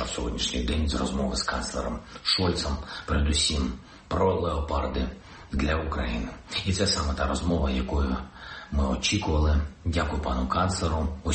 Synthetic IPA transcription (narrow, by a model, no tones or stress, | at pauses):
wsʲɔɦɔdʲnʲiʃnʲijd̪ɛnʲzrɔzmɔʋɪskɑnt̪slˠḛɾɔmʃɔlʲt̪sɔmpeɾed̪ʊsʲim | pɾɔlˠeɔpɑrd̪ɪ | d̪lʲɐukɾɐjinɪit̪sɛsɑmɛt̪ɑɾɔzmɔʋɐjɐkɔjʊmɪɔt͡ʃʲikʊʋɐlˠɪdʲakʊjʊpɑnʊkɑntslˠeɾʊɔ